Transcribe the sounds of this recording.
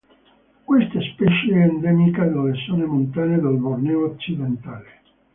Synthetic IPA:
kwest̪ɛspɛt͡ʃeːnd̪ɛmikad̪alːesonemont̪aːned̪elvornɛoːt͡ʃːid̪ent̪aːle

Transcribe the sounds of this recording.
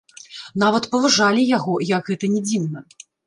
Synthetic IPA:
n̪avɐt̪pɐvɐʐalʲijaɣɔjɐkɣɛt̪ɐnʲɛd͡zʲiwnɐ

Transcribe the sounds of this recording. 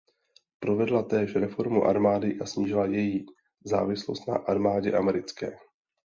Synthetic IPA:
pɾovɛdlat̪ɛːʃɾɛfo̞ɾmuʔaɾmaːdɪʔasɲiːʒɪlajɛji | za̰ːvɪslo̞st̪na̰ʔaɾmaːɟɛʔamɛɾɪt͡skɛ̰ː

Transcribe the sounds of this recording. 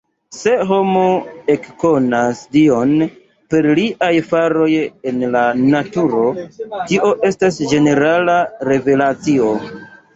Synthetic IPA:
se̞ɦo̞moe̞kko̞nasdion | pe̞ɾliʔajfaɾo̞je̞nlanatuɾo̞tiʔo̞ʔe̞stasd͡ʒe̞ne̞ɾalaɾe̞ve̞lat͡sio̞

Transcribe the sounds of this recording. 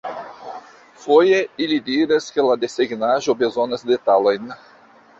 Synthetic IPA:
fojeilid̪iɾɐskelad̪eseɡnaʒobezonɐzd̪et̪alajn

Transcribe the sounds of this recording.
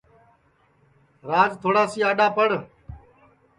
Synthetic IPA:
ɾaːzt̪ʰoːɽaːsiːaːɗaːpəɽ

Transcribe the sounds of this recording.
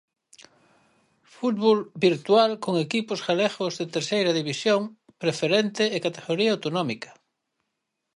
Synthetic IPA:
fut̪βolbiɾt̪walkoŋekipʊsɣaleɣozðet̪eɾsejɾɐðiβisjoŋ | pɾefeɾent̪eːkat̪eɣoɾiaawt̪onɔmikɐ̥

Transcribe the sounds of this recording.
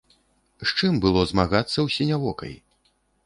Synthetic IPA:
ʂt͡ʂɨmbɨlˠɔzmaɣat̪sːɐwsʲɛnʲavɔkɐ̰j

